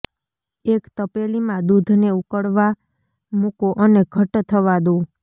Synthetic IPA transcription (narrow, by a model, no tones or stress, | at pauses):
ekt̪əpelimãd̪ud̪ʱneukəɽʋa | mukoʔəneɡʱəʈt̪ʰəʋad̪ũ